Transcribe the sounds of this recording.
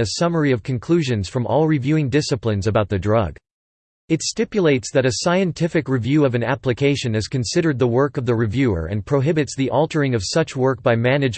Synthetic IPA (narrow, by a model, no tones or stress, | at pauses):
ɨsʌmə˞iʌv̥kʰɨ̃n̩kʰl̥ʉʒɨ̃nz̥fɹʌ̃mʔɔlˠɹivjʉɪ̃ŋdɪsɨplɨ̃nzɨbaʊt̪̚ðɨdɹʌɡ | ɨtstɪpjɨleɪtsðɨɾɨsaɪɨ̃ntʰɪfɨkɹivjʉʌvɨ̃næplɨkʰeɪʃɨ̃nɨz̥kɨ̃nsɪɾə˞d̪̚ðəwɜ˞kʌvðɨɹivjʉə̰˞ʔɨ̰̃npʰɹ̥oʊɦɪbɨtsðiʔɔlˠtʰə˞ɪ̃ŋʌv̥sʌt͡ʃwɜ˞k̚b̥aɪmænɨd͡ʒ